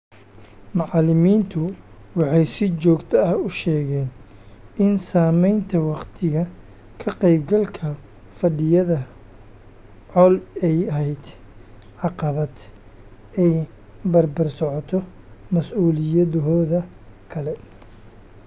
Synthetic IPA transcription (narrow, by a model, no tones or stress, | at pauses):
mɑʕɑlɪmiːnt̪ʰʊ | wɑħɑjsɪt͡ʃɔːɡt̪ʰɐɐhʊʃɛːɣɛːn | ɪnsaːmɛjnt̪ʰɐwɑqt̪ʰɪɣɐ | kʰɐqɛjb̚ɡɐlkʰɐ | fɐɖɪjɐðɐ | ʕɔlɛjɐɦɛjd̪ | ʕɑqɐβɐd̪ | ɛ | bɐrbɐrsɔʕɔt̪ʰɔ | mɐsuːlɪjɐðɦɔːðɐ | kʰɐlɛ